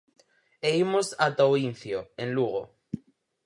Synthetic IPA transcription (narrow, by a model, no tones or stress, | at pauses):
eimosat̪owin̟θjoẽnluɣ̞o